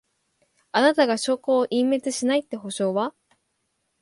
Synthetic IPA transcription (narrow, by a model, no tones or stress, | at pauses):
anat̪aɡaɕo̞ːkoːʔĩmːe̞t͡sɨɕinait̪ːe̞ɦo̞ɕo̞ːβa